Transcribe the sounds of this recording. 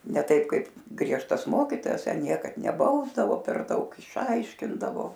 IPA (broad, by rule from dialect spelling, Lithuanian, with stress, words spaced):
nʲɛ ˈtɐɪp ˈkɐɪp ˈɡrʲiɛʃtɐs ˈmoːkʲiːtoːjɛs ˈtʲɛn ˈnʲiɛkɐt nʲɛˈbɐʊzdɐʋoː pʲɛr ˈdɐʊk ɪʃˈɐɪʃʲkʲɪndɐʋoː